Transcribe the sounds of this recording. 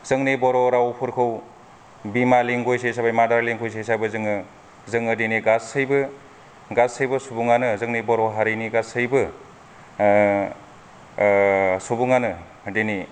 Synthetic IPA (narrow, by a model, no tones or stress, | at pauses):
z̥ɯŋnibɔɾɔɾawpʰɯɾkʰɯw | bimaliŋɡojsesabajmadaɾleŋkʰojs̬esajbɯzɯŋɯ | zɯŋɯdeniɡasɯjbɯ | ɡasɯjbɯsubuŋanɯzɯŋnibɔɾɔɦaɾiniɡasɯjbɯ | subuŋanɯ | deni